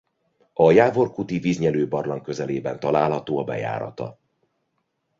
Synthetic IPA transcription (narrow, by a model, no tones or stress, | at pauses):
ɒjaːvo̞rkut̪iviːzɲɛløːbɒrlɒŋkø̞zɛleːbɛnt̪ɒlaːlɦɒt̪oːɒbɛ̰ja̰ːɾɒ̰t̪ɒ̰